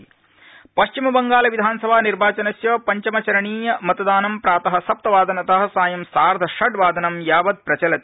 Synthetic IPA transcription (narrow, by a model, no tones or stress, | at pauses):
pɐʃt͡ʃimɐbɐŋɡaːlɐʋid̪ʱaːnsɐbʱaːniɾbaːt͡ʃɐnɐsjɐːpɐɲt͡ʃɐmɐt͡ʃɐɾɐɳiːjɐmɐt̪ɐd̪aːnɐmpɾaːt̪ɐɦɐsɐp̚t̪ɐʋaːd̪ʱɐnɐt̪ɐɦɐ̆saːjɐmsaːɾd̪ʱɐʂɐɖʋaːd̪ʱɐnɐmjaːʋɐd̪̚pɾɐt͡ʃɐlɐt̪